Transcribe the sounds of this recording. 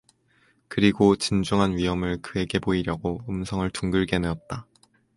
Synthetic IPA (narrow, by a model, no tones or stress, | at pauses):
kɯɾiɡot͡ɕind͡ʑuŋɦanɥiɦʌmɯɭkɯe̞ɡe̞boiɾjʌɡoɯmsʰʌŋɯɭtuŋɡɯɭɡe̞neʌt̚t͈a